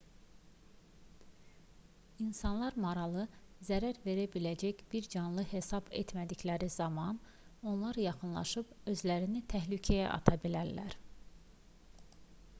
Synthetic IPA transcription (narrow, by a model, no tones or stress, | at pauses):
insɑnlˠɑɾmɑɾɑlˠɯzæɾæɾve̞ɾæbilæd͡ʒæçb̥iɾd͡ʒɑnlˠɯhe̞sɑbḛt̪mæd̪içlæɾizɑmɑn | o̞nlˠɑɾjɑχɯnlˠɑ̰ʃɯb̥ | ø̞zlæɾinit̪ʰæɦlycʰæjæ̰ʔɑ̰t̪ʰɑbilæɾlæ̰ɾ